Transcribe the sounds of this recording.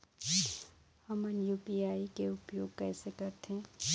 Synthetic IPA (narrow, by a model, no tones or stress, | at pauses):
hɐmənjuːpiaːikeʊpjoːɡ̚kɛːsekɐɾt̪eɦɛ̃ː